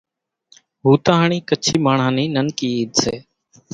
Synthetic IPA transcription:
ɦuːt̪ãːɦəɳiːkət͡ʃʰiːmaːɳ̤ãːniːnənkiːiːd̪sḛː

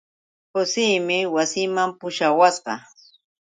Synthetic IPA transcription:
kʊsɪjmɪwasɪmampʊʃawasɢɑ̰

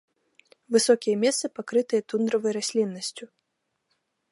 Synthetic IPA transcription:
vɨsɔkʲijɐmʲɛst̪sɐpakɾɨt̪ɨjɐt̪und̪ɾɐvɐjɾasʲlʲinːɐsʲt͡sʲu

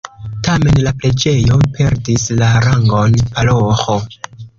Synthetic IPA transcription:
tame̞nlaple̞d͡ʒe̞jo̞pe̞ɾdislaɾaŋɡo̞npaloxo

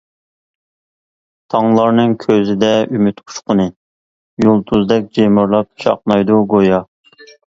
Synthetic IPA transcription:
t̪ʰɑŋlˠɑɾnɨŋkʲʰøzɪd̪ɛymyt̪qʰʊ̥ʃqʊnɨ | jolˠt̪ʰuzd̪ɛk̚ʲd͡ʒemuɾlˠɑp̚ʃɑ̰qnɑjd̪uɡojɑ

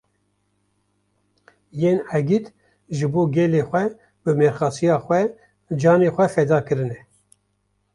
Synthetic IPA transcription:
jeːnɛɡit̪ | ʒɨboːɡɛleːxʷɛ | bɨmeɾxɑːsijɑːxʷɛ | d͡ʒɑːneːxʷɛfɛd̪ɑːkɨɾɨnɛ

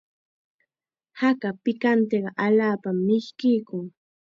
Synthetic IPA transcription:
hakapɪkant̪eɢɑʔaʎaːpamːɪʃkɪjkʊŋ

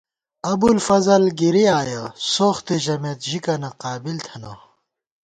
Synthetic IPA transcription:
ɐbulfɐzɐlɡiɾiaːjɐsoːxt̪eʑɐmet̪ʑikɐnɐqaːbilt̪ʰɐnɐ̰

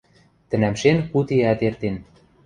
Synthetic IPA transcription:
t̪ə̆næmʃenkut̪eæt̪ert̪en

